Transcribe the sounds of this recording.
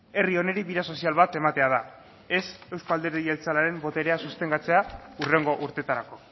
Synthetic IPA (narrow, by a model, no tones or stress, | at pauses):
e̞rio̞ne̞ɾiβiɾaso̞sialβat̪e̞mat̪e̞að̞a | e̞se̞wskoald̪e̞ɾielt͡salaɾe̞mbo̞t̪e̞ɾe̞asust̪e̞ŋɡat͡se̞aure̞ŋɡo̞ʔuɾt̪e̞t̪aɾako̞